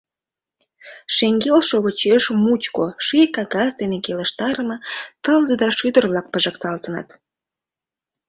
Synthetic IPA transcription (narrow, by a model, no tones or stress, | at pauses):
ʃeŋɡelʃoβət͡ɕeʃmut͡ɕkoʃikɑɡɑsd̪enekelə̆ʃt̪ɑɾəmɤ̆t̪əlzəd̪ɑʃyd̪ərβlɑk̚pəʒəkt̪ɑlt̪ənɑ̰t̪